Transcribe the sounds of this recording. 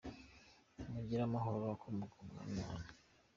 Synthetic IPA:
muɟiɾamaɦoɾβakʰomuɡoma̰mana

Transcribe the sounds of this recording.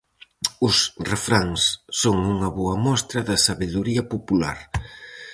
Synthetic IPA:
ʊsrefɾaŋsːoŋuŋɐβoɐmɔst̪ɾɐðɐsaβeðuɾiɐpopula̰ɾ

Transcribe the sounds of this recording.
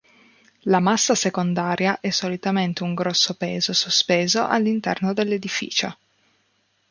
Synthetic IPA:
lamasːasekond̪aːɾjaʔɛsːolit̪ament̪euŋɡɾɔsːopɛːzosospeːzoʔa̰lːint̪ɛ̰rnod̪elːed̪ifḭːt͡ʃo

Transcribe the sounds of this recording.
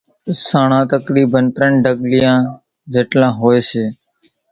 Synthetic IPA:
saːɳãːt̪əkɾiːbənt̪ɾəɳɖəɡlɪjãː | d͡ʒʱeːʈlãːɦoːeːseː

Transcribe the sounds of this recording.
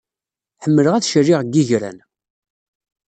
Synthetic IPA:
ħəmːələʁæθʃərːiʁɡːiʝɾæ̰n

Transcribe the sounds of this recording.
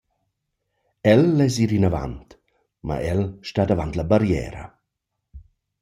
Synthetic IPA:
ɛlːɛziːɾinava̰nt̪ | ma̰ʔɛlʃtad̪avant̪labaɾjɛ̰ːɾə̰

